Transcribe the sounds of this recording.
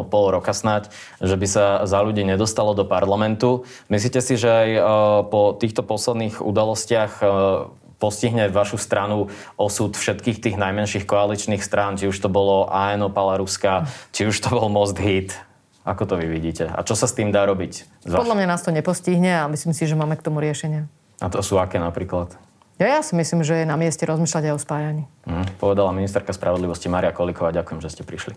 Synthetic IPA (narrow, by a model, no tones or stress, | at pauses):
ɔpɔlˠɾɔkasnac | ʒɛbisazaʎuɟiːɲɛd̪ɔst̪alɔd̪ɔpaɾlamɛnt̪u | misliːcɛsiʒɛajpɔt̪iːxt̪ɔpɔslɛd̪niːɣṵd̪alɔscɪax | pɔsciɦɲɛʋaʃust̪ɾʔanuɔsut̪fʃɛt̪kiːxt̪iːɣnajmɛnʃiːxkɔalit͡ʃniːxst̪ɾaːnt͡ʃiuʃt̪ɔbɔlɔʔaɛnɔpalaɾuskat͡ʃiuʃt̪ɔbɔlmɔzd̪ɦiːt̪ | akɔt̪ɔʋiʋiɟiːcɛa̰t͡ʃɔsast̪iːmd̪aːɾɔbic | zʋapɔd̪lamɲanaːst̪ɔɲɛpɔsciɦɲɛamisliːmsiʒɛmaːmɛkt̪ɔmuɾɪɛʃɛɲɪa | at̪ɔsuːakɛːnapɾiːklat̪ | jajasimisliːmʒɛjɛnamɪɛscɛɾɔzmiːʃlaɟajɔspaːjaɲiːm̩ɦ̩pɔʋɛd̪alaminist̪ɛɾkaspɾʔaʋɔd̪liʋɔscimaːɾijakɔlikɔʋaːɟakujɛmʒɛscɛpɾiʃli